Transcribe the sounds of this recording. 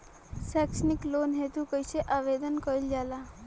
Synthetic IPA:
sɛksniklonɦet̪ũkəjseʔaʋed̪ənkəild͡ʒala

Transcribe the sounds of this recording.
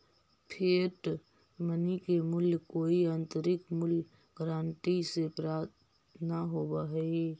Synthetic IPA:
pʰeːʈ | mənikemʊljkoːiə̃nt̪əɾɪkmʊl | ɡɾaːɳʈisepɾaːt̪ | naɦobaɦi

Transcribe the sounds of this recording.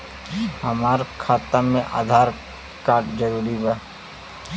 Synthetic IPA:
ɦɐmaːɾkʰaːt̪amẽʔa̰ːd̪ʱaːɾ | kaːɾʈd͡ʒɐɾuːɾiba

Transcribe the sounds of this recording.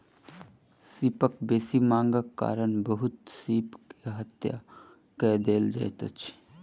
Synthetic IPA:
sipəkbeːsimãːŋɡəkːa̰ːɾənbəɦʊt̪̚siːpkeɦət̪ja̰ | kɛd̪eːld͡ʒa̰ːjt̪ə̰t͡ʃʰ

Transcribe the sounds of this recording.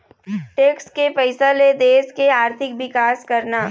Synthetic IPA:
ʈeːkskepɐɪsaled̪eːskeaːɾt̪ʰɪkʋɪkaːskɐɾnaː

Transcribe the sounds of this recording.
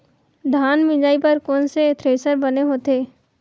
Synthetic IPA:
d̪ʱaːnmɪ̃d͡ʒaːipɐɾkɔːnset̪ʰɾeːsəɾbɐneɦoːt̪eː

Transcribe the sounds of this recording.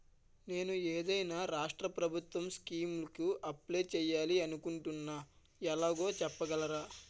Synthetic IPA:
ne̞ːnueːd̪ɐjnaːɾaːʂʈɾɐpɾɐbʱut̪wʋɐmskiːmlɐkuʔɐpleːt͡ʃɛːjaːliɐnukuɳʈunːaː | ɛlaːɡo̞ːt͡ʃɛpːɐɡɐlɐɾaː

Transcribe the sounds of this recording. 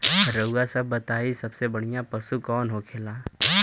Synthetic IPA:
ɾəuɡasɐbːɐt̪aːisɐbsebɐɽ̤ijãpɐsukɔːnɦokʰeːlaː

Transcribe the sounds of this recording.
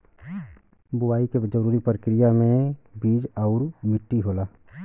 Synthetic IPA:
bʊwaːiked͡ʒəɾuːɾipɾəkɾijamẽbiːd͡ʒɔʊɾmɪʈːiɦoːlaː

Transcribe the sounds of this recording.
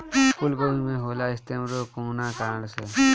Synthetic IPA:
pʊlɡoimẽɦoːlaːɪst̪emɾokoːnãːkaːlse

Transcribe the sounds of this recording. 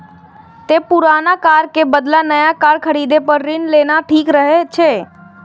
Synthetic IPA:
t̪epuɾanakaɾkebəd̪lanəjakaɾkʰəɾid̪epəɾːinlenaʈʰikɾəɦet͡ʃʰe

